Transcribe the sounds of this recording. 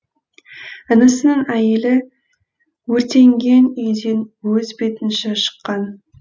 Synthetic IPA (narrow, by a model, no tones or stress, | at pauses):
ənəsənəɴæjɪlɪ | wɵɾt̪e̞ŋɡʲe̞nejd̪enwɵzbe̞t̪ɪnʃeʃə̥qːɑn